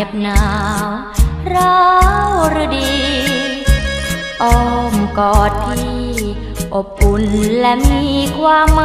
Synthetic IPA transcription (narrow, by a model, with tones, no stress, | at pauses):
e˧p̚naː˨˦ww | ɾɔː˦˧˥wɾɯ˧diː˧ | ʔɔ˧˩mkɔː˨˩tt̪ʰːiː˧˩ | ʔo˨˩p̚ʔu˧˩nlɛ˦˥miː˧kʰwaː˧mːa˦